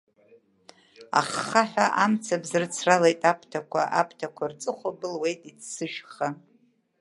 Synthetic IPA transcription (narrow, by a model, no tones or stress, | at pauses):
a̰χːaħʷᶣaʔamt͡sʰabzɨrɨt͡sʰralejtʼapʷʰtʰakʷʰaʔapʰtʰakʷʰart͡sʼɨχʷabɨlwe̞jtʼitʰsɨʃᶣχa